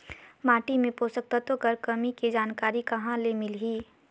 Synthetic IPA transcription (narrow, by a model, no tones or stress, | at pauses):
maːʈimẽpoːsək̚t̪ət̪əkɐɾkɐmiked͡ʒaːnkaːɾikɐɦãlemɪlɦiː